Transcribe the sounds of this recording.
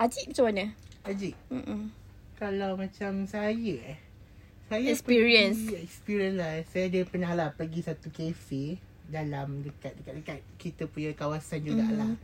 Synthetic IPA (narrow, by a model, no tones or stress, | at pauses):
ad͡ʒiʔmat͡ʃamanəad͡ʒiʔm̩ʔ̩ | kalawmãt͡ʃamsajə | sajəɛkspiɾiənsɛkspiɾiənlasajadəpənalahpəɡisat̪ukefi | dalamdəkat̪̚dəkat̪̚dəkat̪̚kit̪əpuɲakawasand͡ʒuɡa̰ʔla